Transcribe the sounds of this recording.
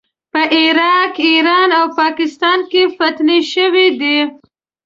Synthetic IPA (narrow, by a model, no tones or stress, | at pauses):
pəʔɪɾɑkiɾɑnawpɑkɪst̪ɑnkefat̪neʃəwid̪i